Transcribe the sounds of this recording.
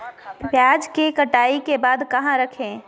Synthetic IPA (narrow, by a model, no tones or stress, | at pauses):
bjaːd͡ʒkekɐʈaːikebaːd̪kɐɦãɾɐkʰẽː